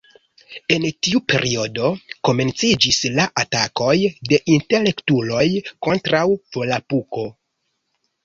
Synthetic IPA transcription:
e̞ntiupe̞̰ɾio̞do̞ko̞me̞nt͡sid͡ʒislaʔatako̞jde̞ʔinte̞le̞ktulo̞jko̞ntɾawv̥o̞lapuko̞

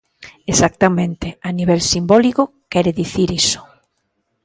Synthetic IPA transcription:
esak̚t̪amẽnt̪eaniβɛlsimbɔlikʊ | kɛɾeðiθiɾisʊ̥

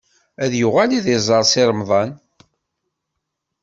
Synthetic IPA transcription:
æðjʊʁæliðizˤɑɾˤsɪɾˤəmðˤɑn

